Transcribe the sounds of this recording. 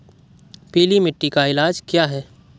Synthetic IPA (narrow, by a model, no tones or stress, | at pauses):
peːlimɪʈːikaɪlaːd͡ʒkjaːɦɛː